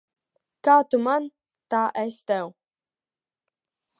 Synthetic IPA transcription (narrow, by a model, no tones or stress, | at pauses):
kat̪uman | t̪aʔɛst̪ɛw